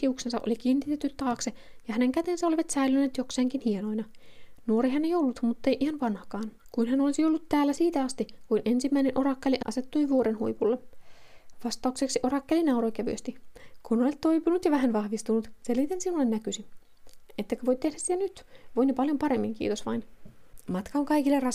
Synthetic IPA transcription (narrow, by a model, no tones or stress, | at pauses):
iuksensɑ̰ʔo̰likiːnːit̪et̪ːyt̪t̪ːɑːksejɑhæneŋkæt̪ensæoliʋɑt̪sæilynːeːt̪jokseːŋkinhieno̞inɑnuoɾiɦænːejolːut̪mut̪ːejʔihɑnʋɑnhɑkɑːnkuinɦænolisijolːut̪tæːlːæsiːt̪æɑst̪ikuinʔe̞nsimːæinenʔo̞ɾɑkːeliʔʔɑ̰se̞t̪ːujʋuoɾenhṵjpulːe | ʋɑst̪ɑukseksiʔorɑkːelinɑuɾoikæʋy̰ø̰st̪ikunolet̪t̪ːo̞ijpunut̪jɑʋæɦænʋɑhʋist̪unut̪selit̪ensinːolːenːækysi | et̪ːekøʋoijt̪ːehdæssit̪ænyt̪ʋoinepɑljompɑɾemːiŋkḭːt̪osʋɑ̰inmɑt̪kɑoŋkɑikilːerɑ